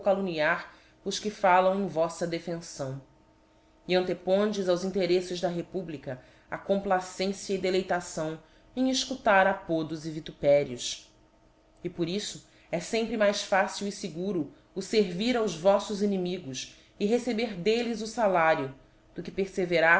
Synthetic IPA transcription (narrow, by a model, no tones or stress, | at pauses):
kaluniaɾ | ʊskɪfalɐ̃w̃ẽj̃vɔsɐd̪efẽsɐ̃w̃ | iɐ̃nt̪epõnd͡ʒɪzawzĩnt̪eɾesɪzd̪ɐɦepublikɐ | akõmplasẽsiɐid̪elejt̪asɐ̃w̃ | ẽj̃ɪʃkut̪aɾapod̪ʊzɪvit̪upɛɾiʊs | ɪpoɾisʊ | ɛsẽmpɾɪmajsfasiwisɪɡuɾʊː | seɾviɾawzvɔsʊzinimiɡʊs | ɪɦesebeɾd̪elɪzʊsalaɾjʊ | d̪̥ʊkɪpeɾseveɾa